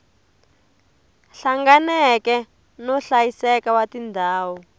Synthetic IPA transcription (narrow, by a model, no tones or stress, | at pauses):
ɬaŋɡanɛkɛ | nɔɬajisɛkawatindʱaːwɔ